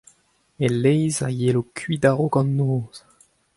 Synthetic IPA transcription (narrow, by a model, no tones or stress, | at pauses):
elːɛjza̰jelokʰɥid̪aʁokɑ̃nːoːz̥